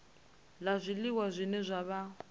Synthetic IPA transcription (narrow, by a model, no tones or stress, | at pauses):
lazʷiliwazʷinɛzʷaβa